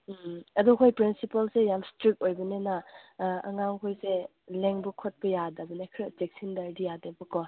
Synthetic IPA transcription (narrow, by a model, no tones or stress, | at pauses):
ɐdukʰojpɾinsipɐlsejamstɾik̚ojbɐnenɐɐ̰ŋaŋkʰojse | leŋbukʰot̚pɐjadɐbɐnekʰɾɐd͡ʒek̚sindɐɾdijadɐbɐkɔ